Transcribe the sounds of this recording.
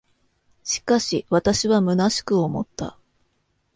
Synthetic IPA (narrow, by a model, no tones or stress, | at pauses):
ɕi̥kaɕiβat̪aɕiβamɯ̟naɕi̥kɯ̟omo̞̰t̪ːa̰